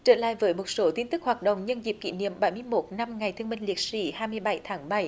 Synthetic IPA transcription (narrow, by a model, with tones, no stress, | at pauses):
t͡ɕə̰ː˧˨la̰ː˧˨jvəː˨˦jmo˨˩t̚so˨˦t̪i˧nt̪ɨ˦˥k̚hwaː˨˩t̚ɗə̰˧˨wŋ͡mɲə˧nzi˨˩p̚kḭ˧˥nḭ˧˨əmɓa˨˩˦jmɨ˧əjmo˨˦˥t̚na˧mŋa˨˩jt̪ʰɨ˧əmï˧ŋ̟li˨˩ət̚si˨˦haː˧jmɨ˧əjɓa˧˩jt̪ʰaː˨˦ŋɓa˧˩j